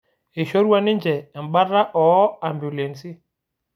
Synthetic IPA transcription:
e˨ʃo˦ɾu˦a˦nɪ˦nd͡ʒɛ˨m̩˨ɓa˦ɾa˦ʔɔ˨˦a˨mbju˨le˨n˨si˦

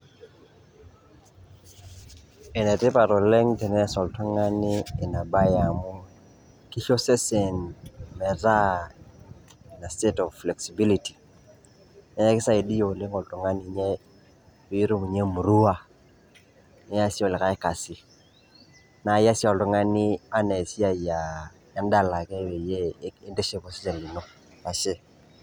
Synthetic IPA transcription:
ɛ˨nɛ˨tɪ˦pa˨ɾɔ˨le˦ŋtɛ˨nɛ˦sɔ˨ltɔ˦ŋa˦nɪː˦˨na˨ba˦ja˨mɔ˦ | ki˦ʃo˦sɛ˦sɛ˨nmɛ˨ɾa˦ | na˨ste˦tɔ˨vflɛ˨ksi˨bi˦li˨ti̥˨ | na˨ja˦kɪ˦sa˦e˨di˦jo˨le˦ŋo˨ltu˨ŋa˦ni˨ɲe˦ | i˦ɾu˦mi˨ɲe˦mu˨ɾu˦a˦ | ni˨˦ɲa˦si˦o˨lɪ˨ka˦e˦ka˨si˦ | na˨ja˦si˦ɔ˨ltɔ˨ŋa˦ni˦a˦ne˨si˦a˦˨ja˨ | ja˨˦nda˦˨la˨kɛ˦we˨jeː˦nde˦ʃe˦pɔ˨si˦sɛ˨li˨no˦ | a˨ʃe˦

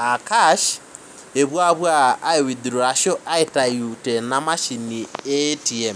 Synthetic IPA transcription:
a˨kaʃ | e˨βwa˦βwaː˦e˨wi˨di˨ɾo˨a˨ʃɔ˦ʔa˦e˦ta˨ju˨tɛnama˦ʃi˨ni˨e˦tiɛ˨m

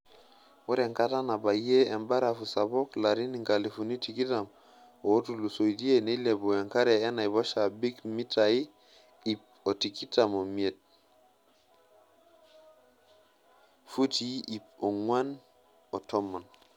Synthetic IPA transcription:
wo˦ɾe˨ŋka˦ta˦na˨ba˨jeː˦˨mba˦ɾa˨fu˨sa˨bo˦kla˨ɾi˦ni˨ŋka˨li˨fu˨ni˦ti˨ki˦ta˨m | o˨o˦tu˨lu˨so˨idi˦e˦ne˦le˨bo˨e˨ŋka˦ɾeː˨˦na˨jbo˦ʃa˨bi˦kmi˦ta˨i˦ | i˨p̚o˨ti˨ki˦ta˨mo˨mi˨e˨t̚ | fu˦ti˦i˨po˨ŋwa˦n | o˨to˦mːa˨n

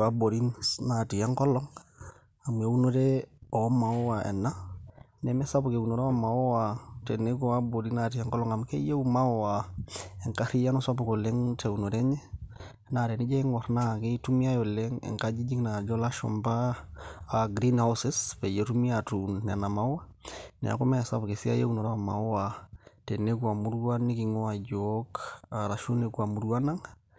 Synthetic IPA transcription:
a˦bo˨ɾi˦nna˨ti˨ja˦ŋkɔ˦lɔ˦ŋ | a˨m˨e˨˦u˦no˦ɾe˦ɔ˨˦ma˨ɔ˦wa˨ʔɛ̰˨nːa˦ | nɛ˦mɛ˦sa˦bu˨ke˨u˨no˨ɾe˦a˦ma˨ɔ˦wa˨te˨ne˦ɡɔ˨a˦bo˨ɾi˦na˨ti˨ja˦ŋkɔ˦lɔ˦ŋa˨m˦ke˦je˦u˦ma˦ɔ˦˨wa˨ɛ˨ŋka˦ɾi˦ja˦nɔ˦sa˦bo˨ko˨lɛ˦ŋte˨u˨no˨ɾɛ˦ɲɛ˦ | na˨ɾɛ˨ni˦d͡ʒɛ˦i˦ŋɔ˨ɾna˦˨ki˦tu˦mi˦a˦jɔ˨lɛ˦ŋɛ̰˨ŋka˦d͡ʒi˦d͡ʒi˦ŋna˨d͡ʒɔ˦la˦ʃɔ̰˨mbaː˦˨ | ɡɾi˦nha˦wsɪ˦spe˨je˦tu˦mi˦a˨tu˨nːɛ˨na˨ma˦wwa˦nɛ̰˨a̰˨ko˦mɛ˦a˨sa̰˦bke˨si˦a̰˦je˦u˦no˨ɾa˦a˨ma̰˨˦wa˨te˨ne˦ku˦a˨mu˦ɾwa˦ni˦ki˨ŋɔ˦a˨d͡ʒoka˨ɾa˨ʃu˦ne˨ku˨a˨mu˨ɾu˦wa˦na˦ŋ

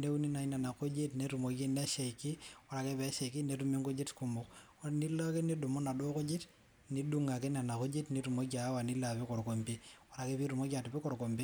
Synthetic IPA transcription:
ne˦u˦ni˦na˨ina˨na˨ko˦d͡ʒe˦tne˦ɾu˨mo˨ɡe˦nɛ˦ʃe˨jkɪ˦wa˦ɾa˨ke˦pɛ˨˦ʃɛ˨ki˦ne˦ɾu˦me˦ŋɡo˦d͡ʒe˦tku˦mo˨k | ɾni˦la˦ke˦ni˦dʊ˨mo˦na˨do˦ko˦d͡ʒe˦t | ni˦du˦ŋa˨ke˦na˨na˨ko˦d͡ʒe˦tni˦ɾu˨mo˦ɡa˨˦wa˨ni˦la˨pe˦ko˨ɾko˨mbi˦wa˦ɾa˨ke˦pi˦ɾu˨mo˦ɡa˨tu˨pɛ˦kɔ˨ɾko˨mbi˦

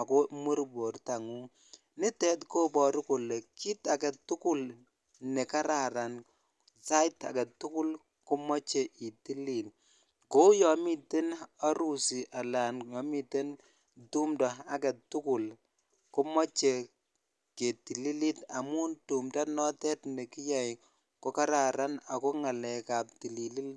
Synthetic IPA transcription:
a˨kɔ˦mu˦ɾbo˨ɾta˨ŋu˦ | nɪ˦tɛ˦tko˦pɔ˨ɾʊ˦ko˨lːe˨ki˦ta˨kɛ˨tʊ˦kʊ˦l | nɛ˨ka˦ɾa˨ɾa˨n | sa˦ta̰˨kɛ˨tːʊ˦kʊ˦l | kʊ˦mɔ˦t͡ʃe˨ʔi˨ti˦li˨n | ko˦jɔ˨mi˨te˦na˦ɾu˨si˨ʔa˨la˨njɔ˨mi˨te˦n | tu˦mda˨a˦ka˨tːu˦ku˨l | ko˦mɔ˦t͡ʃe˨ | ke˨ti˨li˦li˦ta˨mu˦ntu˨mda˦nɔ˦tɛ˦tnɛ˨ki˦jɛ˨j | ko˦ka˦ɾa˨ɾa˦na˨kɔ˦ŋa˨lɛ˨ka˨p̚ti˨li˨li˦l

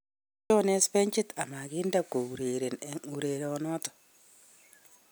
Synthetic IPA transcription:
t͡ʃo˦ne˦spe˦ɲt͡ʃi˦ta˨ma˨ki˦nda˨kːo˨bu˨ɾe˨ɾe˨ne˨u˨ɾe˨ɾɔ˨nɔ˦tɔ̥˨

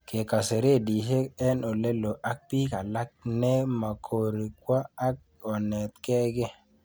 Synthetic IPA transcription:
ke˨ka˨se˨ɾe˦˨di˨ɦe˦ɛ˦no˨le˦lo˨ʔa˦k̚pi˦ka˨la˦k̚ne˦ma˨kʰo˨ɾi˨kwa˦a˦k̚ | ɔ˨nɛ˨t̪̚kɛ˦ɡɪ˦

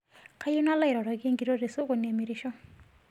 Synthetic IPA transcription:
kʰa˦ju˦na˦la˦i˨ɾɔ˨ɾɔ˨ke˦ŋɡi˨ɾo˦ɾe˨so˦kɔ˨ni˨a˨mi˨ɾi˨ʃɔ˦

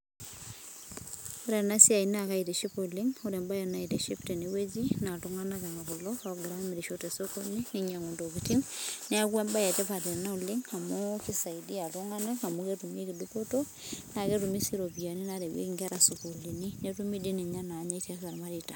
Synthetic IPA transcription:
uɾe˨na˦si˦a˨ina˨ka˦ite˨ʃipoliŋuɾe˨mba˦ja˨na˦ite˨ʃi˦pte˨ne˦we˦d͡ʒina˨tuŋana˦ka˨ŋa˨ku˨lɔɔ˦ɡɾami˨ɾi˨ʃote˨soko˦niniɲa˨ŋo˨ndo˨kiti˦ŋne˦a˦kwe˦mba˦ja˨tɛ˦pa˨ɾe˨na˦uliŋa˨moki˦sa˨idi˦a˨tuŋa˦na˦ka˨moke˦tu˨mje˦ki˨dupoto | na˨ke˦tumi˦siɾobi˨a˨ni˦naɾe˨wḛ˦kiŋɡaɾa˨sukuli˨ni˦netumi˦di˦ni˨ɲa˦na˨ɲa˦ita˦sa˨ɾma˦ɾita˨

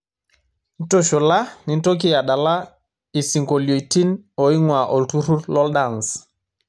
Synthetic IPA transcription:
n̩˦to˦ʃo˨la˦nɪ˨n̩˦to˦k̬i˦ja˨ɗa˨la˦ | i˨si˨ŋko˨ljo˨i˨ti˦nɔ˨i˦ŋwa˨ʔɔ˨ltu˦ɾu˦lɔ˦lda˨ŋs

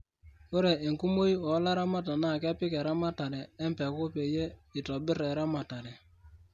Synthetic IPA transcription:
o˦ɾɛ˨ʔe˨ŋku˦mo˦i˦ɔ˨˦la˦ɾa˦ma˦ta˨na˦˨kɛ˦pɪ˦kɛ˨ɾa˦ma˦ta˨ɾɛː˨˦mpɛ˨ko˦pe˨je˦ɪ˨tɔ˨bɪ˦ɾɛ˨ɾa˦ma˨ta˨ɾɛ˨

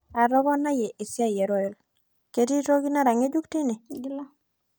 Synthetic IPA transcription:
a˨ɾɔ˦ɡɔ˦na˦je˨ʔi˨si˦a˦je˨ɾo˦e˦˨l | ke˨ti˦to˦ɡi˦na˦ɾa˨ŋe˦d͡ʒu˦kti˦ne˨

